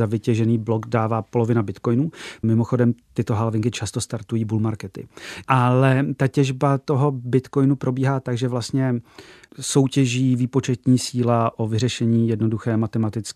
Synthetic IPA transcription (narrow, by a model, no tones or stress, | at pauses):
zavɪcɛʒɛniːblo̞ɡdaːvaːpo̞lo̞vɪnabɪt̪ko̞jnuːmɪmo̞xo̞dɛmt̪ɪt̪oɦalvɪŋkɪt͡ʃast̪o̞st̪aɾt̪ujiːbulmaɾkɛt̪ɪ̰ʔalɛt̪acɛʒbat̪o̞ɦo̞bɪt̪ko̞jnupɾo̞biːɦaːt̪aɡʒɛvlast̪ɲɛ | so̞wcɛʒiːviːpo̞t͡ʃɛt̪ɲiːsiːlaʔo̞vɪrɛʃɛɲiːjɛdno̞duxɛːmat̪ɛmat̪ɪt͡s